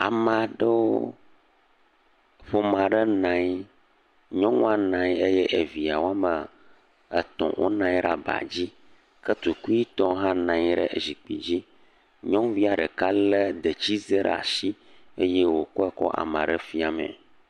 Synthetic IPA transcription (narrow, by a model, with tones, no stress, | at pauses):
a˨mã˨ɖə˦wo˦ | ɸo˨mã˨ɖə˦nã˨ɲ˦ | ɲɔ̃˦ŋɔ̃˦a˦nã˨ɲ˦e˦jɛ˦ʔe˨vi˨a˨wo˦a˦mə˨ | ə˨t̪ɔ̰̃˨wʔo̰˦nã˦ɲi˦ɖa̰˨ba̰˨d͡ʑi˦ | kə˦t̪u˨ku˦i˦t̪ɔ̃˦ɦã˦nã˨ɲ˦ɖə̰˦˨zi˨k͡pḭ˨d͡ʑi˦ | ɲɔ̃˦vi˦a˨ɖə˨ka˦lə˦d̪e˨t͡ɕi˦ze˦ɖə̰˦˨a̰˨ʃi˦e˦je˦wo˨kɔ˦ɛ˦kɔ̰˦ʔa̰˨mã̰˨ɖə˦fi˦a˨mɛ̰̃˨